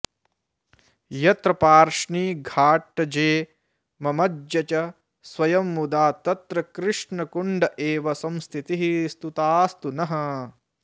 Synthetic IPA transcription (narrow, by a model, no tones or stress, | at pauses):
jɐt̪ɾɐpaːɾʂɳiːɡʱaːʈːɐd͡ʒeː | mɐmɐd͡ʒjɐt͡ʃɐ | sʋɐjɐmːud̪aːt̪ɐt̪ɾɐkɾɪʂɳɐkuɳɖɐʔeːʋɐsɐmst̪ʰit̪iɦist̪ut̪aːst̪unɐɦɐ̆